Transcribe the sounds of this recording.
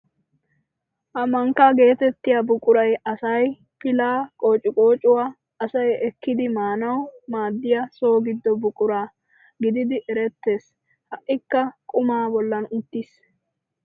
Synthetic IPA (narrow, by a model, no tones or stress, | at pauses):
ʔɐmɐŋkːaːɡe̞ːt̪ɛt̪ːɪjabʊkʼʊɾɐjɐsɐj | pɪlaːkʼo̞ːt͡ʃʼːɪkʼoːt͡ʃʼʊwaː | ɐsɐjɛkːɪd̪ɪmaːnɐwmaːd̪ːɪjɐso̞ːɡɪd̪ːɔbʊkʼʊɾaː | ɡɪd̪ɪd̪ɪʔɛɾɛt̪ːe̞ːs | hɐʔʔɪkːɐkʼʊmaːbɔlːɐnʊt̪ːis